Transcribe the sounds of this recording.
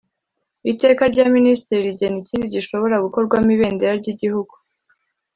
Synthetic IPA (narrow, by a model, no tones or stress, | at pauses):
ite̞ːkaɾɟaːministiɾiɾiɟe̞niciːndiɟiʃo̞βo̞ɾaɡuko̞ɾɡwamiβe̞ːndeɾaɾɟiɟihuɡu